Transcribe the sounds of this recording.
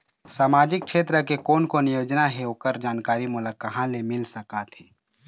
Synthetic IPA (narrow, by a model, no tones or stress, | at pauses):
saːmaːd͡ʒɪk̚kʃeːt̪ɾəkekoːnkonɪjoːd͡ʒnaɦeɦoːkəɾd͡ʒaːnkaːɾimʊləkəɦãlemɪlsɐkat̪ʰɛː